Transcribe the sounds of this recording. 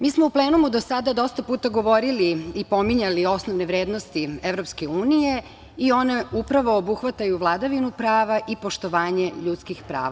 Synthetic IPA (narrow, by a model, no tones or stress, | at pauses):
miːsmoupleːnumud̪o̞sad̪ad̪o̞st̪apuːt̪aɡo̞ʋo̞ɾiliipo̞miɲalio̞snoʋneʋɾeːd̪nost̪ie̞ʋɾo̞pske̞uːnije̞ | io̞ne̞upɾaʋo̞ːbuxʋat̪ajuʋlˠad̪aʋinupɾaːʋaʔipo̞ʃt̪o̞ʋaːɲe̞ʎut̪skixpɾa̰ːʋa